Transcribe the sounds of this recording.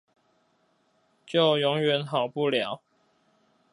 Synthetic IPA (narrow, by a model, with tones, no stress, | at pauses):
t͡ɕjo˥˨ʊjɔ˧˦ŋɥɛ˨˦nɦɑ˨˩ʊpu˥˨ljɑ˨˦ʊ